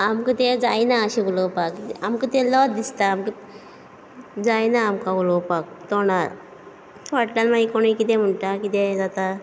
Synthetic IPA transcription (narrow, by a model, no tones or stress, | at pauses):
amkət̪ed͡zajnaəɕiʋuləwpakamkət̪elɔt̪̚d̪ist̪aːmkə | d͡zajnaːmkauləwpak̚t̪oɽ̃a | ʋaʈlalmaikoɳ̃ikit̪̬em̤əɳʈakit̪ed͡zat̪a